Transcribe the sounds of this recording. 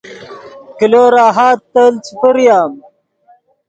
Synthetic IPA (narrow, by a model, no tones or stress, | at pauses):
kiloːɾaːɦaːt̪ːəːlt͡sʰupəɾjaːm